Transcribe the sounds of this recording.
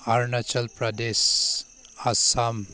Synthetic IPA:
aɾnɐt͡ʃɐlpɾɐd̪es | asam

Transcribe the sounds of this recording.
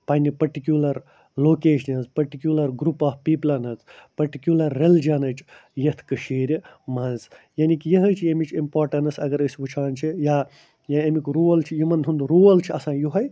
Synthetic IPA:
pɐnʲipɐɾʈikʲjuːlɐɾ | loːkeːʃnɐnzpɐɾʈikʲjuːlɐɾɡɾupaːhpiːplɐnɐzpɐɾʈikʲjuːlɐɾːeld͡ʒɐnɐt͡ʃjɐt̪ʰkɨʃiːɾʲmɐnzjaːnikijɐɦət͡ʃʰɐmit͡ʃʰimpaːɾʈɐnɐsɐɡɐɾəsʲbut͡ʃʰaːnt͡ʃʰija | jaɐmikɾuːlt͡ʃʰijimɐnd̪ɦund̪ɾuːlt͡ʃʰiɐsãːjuɦɐj

